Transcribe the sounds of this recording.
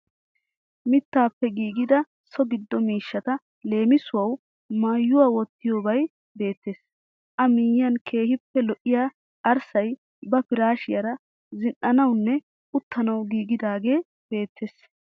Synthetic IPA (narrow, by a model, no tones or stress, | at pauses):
mɪt̪ːaːpːɛɡiːɡɪd̪ɐ | sɔɡɪd̪ːɔmiːʃːɐt̪ɐ | le̞ːmɪsʊwɐw | maːjːʊwaːwɔt̪ːɪjoːbɐj | be̞ːt̪ːe̞ːs | ʔɐmiːjːɐnkʰe̞ːhɪpːɛlɔʔɪjaː | ʔɐɾsɐj | bɐpɪɾaːʃɪjɐɾɐ | zɪnʔɐnɐwnːɛ | ʊt̪ːɐnɐwɡiːɡɪd̪aːɡe̞ː | b̥e̞ːt̪ːeːs